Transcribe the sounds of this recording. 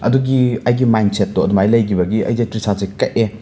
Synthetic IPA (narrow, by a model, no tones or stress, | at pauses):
ɐduɡiɐjɡimajnset̚ːɔɐdumajlɐjkʰibɐɡiɐ̰jzejtɾisazekɐʔ̚e